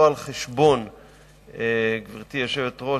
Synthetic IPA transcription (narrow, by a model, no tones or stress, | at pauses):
alχeʃbo̞n | eɡviʁt̪ijoʃevetʁo